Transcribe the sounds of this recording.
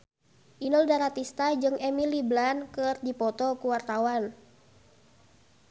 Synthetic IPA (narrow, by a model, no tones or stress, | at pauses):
ʔinɔldaɾat̪ist̪ad͡ʒɨŋʔɛmiliblankɨrdipɔt̪ɔkuwart̪awan